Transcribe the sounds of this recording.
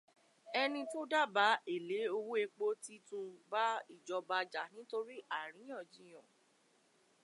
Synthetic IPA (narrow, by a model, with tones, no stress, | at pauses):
ɛ˧nĩ˧to˦da˦ba˨˦e˦˨le˨˦o˧wu˦e˧k͡po˦ti˦tũ˧ba˦i˦˨d͡ʒɔ˧ba˧d͡ʒa˨nĩ˦to˦ɾi˦ʔa˦˨ɾ̃ĩ˨˦j̃ɔ̃˦˨d͡ʒĩ˨˦j̃ɔ̃˨